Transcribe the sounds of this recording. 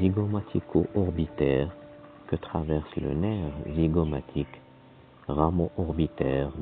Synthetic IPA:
iɡɔmat̪ʰikʰoʔɔʁbit̪ɛːʁ | kət̪χavɛʁslə̰nɛʁʒiɡɔmat̪ʰik | ʁamoʔɔʁbit̪ɛːʁ

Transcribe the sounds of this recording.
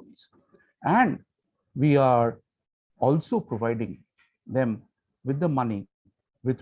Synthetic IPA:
ls | æ̃ɳɖ | ʋiːaːɾ | ɔːlsoːpɾɔʋaɪɖɪ̃ŋ | d̪ẽm | ʋɪd̪ːəmʌni | ʋɪd̪

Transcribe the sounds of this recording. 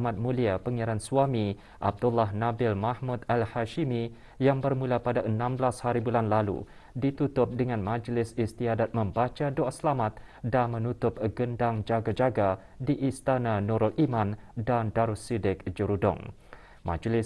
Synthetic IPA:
mat̪̚mũliapəŋiaɾansuamĩ | ʔa̰b̚dʊlːaɦnabɪlmahmut̪alhaʃimi | jaŋbərmũlapadaʔənãmblashaɾibulanlalṵ | dit̪ut̪ʊp̚dəŋãnmãd͡ʒlɪsist̪iadat̪̚mə̃mbat͡ʃadoasəlamat̪̚danmə̃nut̪ʊp̚ɡəndaŋd͡ʒaɡad͡ʒaɡa | diʔist̪ananuɾɔlʔimãndandaɾusidɪk̚d͡ʒəɾudɔ̰ŋ | mã̰d͡ʒlɪ

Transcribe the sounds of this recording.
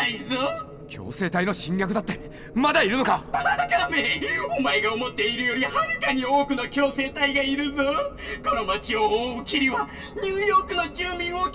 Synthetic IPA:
aizo | kʲʰo̞̰ːse̞ːt̪aino̞ɕĩŋɡʲakɯ̟d̪at̪ːe̞ | mad̪aiɾɯno̞kaaaakameomaeɡaomo̞t̪ːe̞iɾɯ̟jo̞ɾʲihaɾɯ̟kaɲ̟io̞ːkɯ̟nokʲo̞ːse̞ːt̪aiɡaiɾɯ̟zo | ko̞no̞mat͡ɕio̞oːɯkʲiɾʲiβa | ɲɨːjo̞ːkɯ̟no̞kʲɨːmʲĩɰ̃o

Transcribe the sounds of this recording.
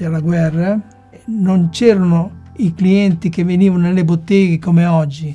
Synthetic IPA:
alaɡwɛrːa | nont͡ʃɛːɾonoikliɛnt̪ikeveniːvanonelːebot̪ːɛːɡekomeɔd͡ʒːi

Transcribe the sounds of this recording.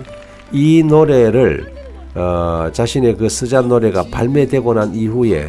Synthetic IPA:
inoɾe̞ɾɯɭ | t͡ɕaɕʰine̞kɯs͈ʰɯd͡ʑanːoɾe̞ɡapa̰ɭme̞dwe̞ɡonaniɸue̞̰

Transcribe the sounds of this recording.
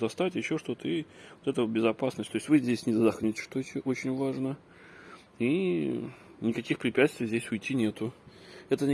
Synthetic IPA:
zɐst̪atʲɪɕːo̞ʂt̪o̞t̪əivot̪ɛt̪əobʲɪzɐpasnəsʲt̪oɪsʲt̪ʲvɨzʲdʲesʲnʲɪd̪əd̪ɐxnʲitʲɪ̥ʂt̪otʲʔo̞t͡ɕɪnʲvaʐnə | i | nʲɪkɐkʲixpɾʲɪpʲæt̪st̪vʲɪjzʲdʲesʲʊjtʲːinʲe̞t̪ʊɛt̪ə

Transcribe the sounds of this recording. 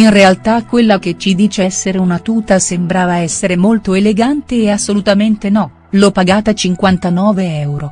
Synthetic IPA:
inrealt̪akːwelːak̟et͡ʃid̪iːt͡ʃesːeɾeunat̪uːt̪asembɾaːvaɛsːeɾemolt̪oeleɡant̪eːasːolut̪ament̪enɔ | lopːaɡaːt̪at͡ʃiŋkwant̪anɔːveɛwɾo

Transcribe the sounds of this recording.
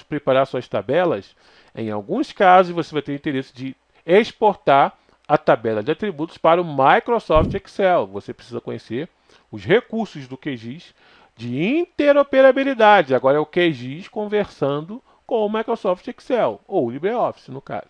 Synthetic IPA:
pɾepaɾasuɐst̪abɛlɐs | ḛ̃j̃a̰wɡũskazʊzvosevajt̪eɾĩt̪eɾesɪ̥d͡ʒɪ | eʃpoɾt̪aɾ | ɐt̪abɛlɐd͡ʒɪat̪ɾibut̪ʊ̥spaɾɐʊmajkɾosɔft͡ʃɛksɛlvosepɾesizɐkõɲeseɾ | ʊzɦekuɾsʊzd̪ʊkeʒiʃ | d͡ʒɪĩt̪eɾopeɾabilid̪ad͡ʒɪaɡɔɾɐɛʊkeʒiʃkõveɾsɐ̃nd̪ʊ | kõw̃ʊmajkɾosɔft͡ʃɛksɛlowʊlibɾeɔfi̥sɪnʊka̰zʊ

